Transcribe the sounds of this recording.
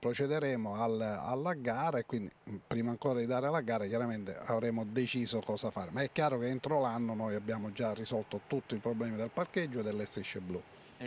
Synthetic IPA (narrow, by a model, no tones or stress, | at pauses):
pɾot͡ʃɛd̪eɾɛːmoala̰lːaɡaːɾaekːwind̪ipɾiːmaːŋkɔːɾad̪id̪aːɾɪlaɡaːɾakjaɾament̪ḛavɾɛːmod̪et͡ʃiːzokɔːsafaːɾemaɛkːjaːɾokeent̪ɾolanːonojabːjaːmod͡ʒarːisɔlt̪ot̪ut̪ːiipɾoblɛːmid̪elparked͡ʒːod̪elːɛst̪eʃːeblu